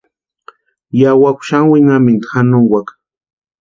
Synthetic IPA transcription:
jawakʷʃaŋwɪŋamɪnt̪ḁxanʊŋwakḁ

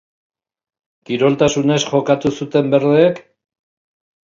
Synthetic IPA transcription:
kiɾo̞lt̪asune̞sxo̞kat̪usut̪e̞mbe̞ɾðeːk

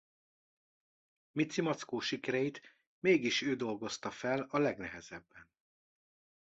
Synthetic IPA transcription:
mit̪simɒt̪skoːʃikɛɾɛjit̪ | meːɡiʃøːd̪o̞lɡo̞st̪ɒfɛlɒlɛɡnɛɦɛz̥ɛbːɛn

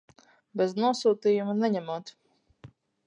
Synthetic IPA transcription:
bʲɛznuɔsuːt̪iːjumanɛɲæmuɔt̪

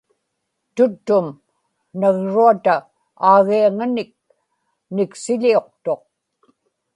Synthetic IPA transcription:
t̪ʊt̪ːʊm | naɣɻuat̪a | aːɣiaŋanɪk̚ | nɪksɪʎio̞qt̪o̞q̚

